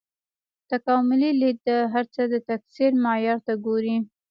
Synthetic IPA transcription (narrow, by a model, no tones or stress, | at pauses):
t̪akɑmʊlilit̪̚d̪əɦaɾt͡səd̪ət̪aksiɾmɑjɑɾt̪aɡoɾi